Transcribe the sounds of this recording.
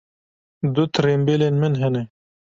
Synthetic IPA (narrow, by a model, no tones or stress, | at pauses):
d̪ut̪ɾembelenmɪnɦene